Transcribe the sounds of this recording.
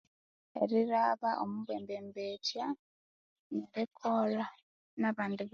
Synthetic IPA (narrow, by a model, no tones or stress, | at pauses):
ḛɾiɾaβaʔomuβweːmbeːmbetja | ŋɡaβekʰola | naβaːndiβ